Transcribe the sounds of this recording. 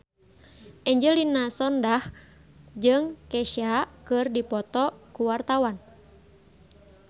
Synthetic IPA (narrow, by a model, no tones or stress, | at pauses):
ʔɛɲd͡ʒɛlinasɔndah | d͡ʒɨŋkɛʃakɨrdipɔt̪ɔkuwart̪awan